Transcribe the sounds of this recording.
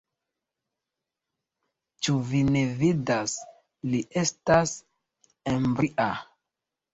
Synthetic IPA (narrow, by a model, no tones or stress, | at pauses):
t͡ʃuvine̞vidas | liʔe̞stas | embɾiʔa